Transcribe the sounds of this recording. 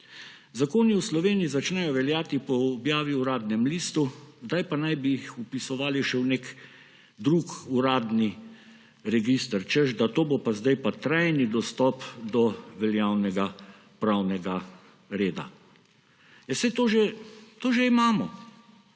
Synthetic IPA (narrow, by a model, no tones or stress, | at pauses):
zakoːniuslɔʋeːniizat͡ʃnɛjɔʋɛljaːt̪ipɔːbjaːʋiuɾaːd̪nɛmliːst̪uzd̪ajpanajbiixupisɔʋaːliʃɛwnek | d̪ɾukuɾaːd̪ni | ɾɛɡist̪əɾt͡ʃəʒd̪at̪oːbopazd̪ajpat̪ɾajnid̪ɔst̪ɔpd̪ɔʋɛljaːwnɛɡa | pɾawnɛɡa | ɾeːd̪a̰ | jɛsɛjt̪oːʒɛt̪oːʒɛimaːmɔ